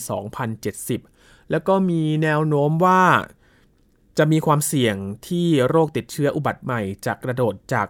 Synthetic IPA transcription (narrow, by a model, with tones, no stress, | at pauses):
sɔ̰ː˩˦ŋpʰa˧nt͡ɕe˨˩t̪̚si˨˩p̚ | lɛː˦˥wkɔː˥˩miː˧nɛː˧wnoː˦˥mwaː˥˩ | t͡ɕa˨˩ʔmiː˧kʰwaː˧msi˨˩əŋt̪ʰiː˥˩ɾoː˥˩k̚t̪i˨˩t̪̚t͡ɕʰɯ˦˥ɐʔu˨˩ba˨˩t̪̚ma˨˩jt͡ɕaː˨˩kːɾa˧doː˨˩t̪̚t͡ɕaː˨˩k̚